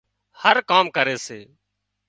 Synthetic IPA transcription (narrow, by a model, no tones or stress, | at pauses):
həɾkaːmkəɾeːseː